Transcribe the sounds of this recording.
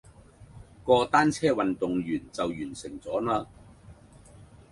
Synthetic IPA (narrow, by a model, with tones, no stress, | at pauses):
kɔː˧t̪aː˥nt͡sʰɛː˥wɐ˨nt̪ʊ˨ŋjyː˨˩nt͡sɐ˨wjyː˨˩nsɪ˨˩ŋt͡sɔː˨˥naː˥